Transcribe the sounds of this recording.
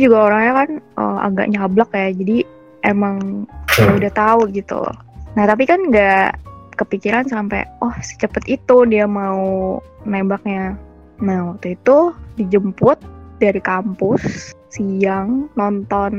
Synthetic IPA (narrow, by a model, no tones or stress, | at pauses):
d͡ʒuɡaoɾaŋɲakanə̰ma̰ɡa̰ʔɲablakjad͡ʒadi | ʔemaŋ | udaht̪auɡit̪ṵ | naht̪ap̬ikanŋɡakəpikiɾansampɛ̰wʔɔhsi̥t͡ʃəpət̪it̪udiamau | nebak̚ɲa | nahwak̚t̪uit̪udid͡ʒəmpʊt̪̚daɾikampʊs | sijaŋnɔnt̪ɔn